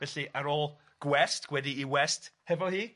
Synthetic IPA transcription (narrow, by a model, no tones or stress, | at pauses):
vɛɬiaɾoːlˠ | ɡ̥wɛstɡ̥wɛdiːwɛsthɛvɔlˠhiː